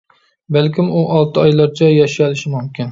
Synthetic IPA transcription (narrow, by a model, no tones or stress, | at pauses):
bælkʲɪmuʔɑlˠt̪ʰɨɑjlˠɑɾt͡ʃʰɛjɑʃijɑlˠɨʃɪmumkʲin